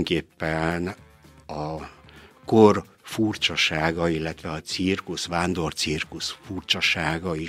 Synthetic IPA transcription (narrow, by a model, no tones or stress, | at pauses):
ŋkeːpːɛn | ɒ | kor | furt͡ʃɒʃaːɡɒilːɛt̪ʋɛɒt̪sirkuʃʋaːnd̪o̞rt̪sirkuʃfurt͡ʃɒʃaːɡɒi